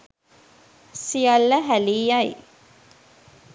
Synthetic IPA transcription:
sijalːəɦæliːjaj

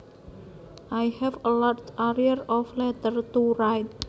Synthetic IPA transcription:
ʔajhɛvəlɔtaɾiəɾɔflɛt̪ərt̪uɾajt̪̚

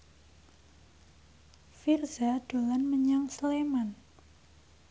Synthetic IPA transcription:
firzaɖ̥o̤lanməɲaŋsleman

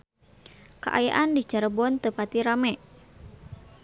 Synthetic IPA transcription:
ka̰ʔajaʔandit͡ʃaɾəbɔnt̪əpat̪iɾamɛ

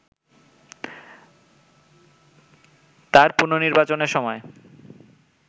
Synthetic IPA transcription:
t̪aɾpuɾnoniɾbat͡ɕoneɾʃɔmɔe

